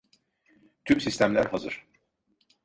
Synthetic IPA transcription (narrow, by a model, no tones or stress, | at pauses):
t̪ʰymsist̪ʰæmlʲæɾɦazɯ̰ɾ̥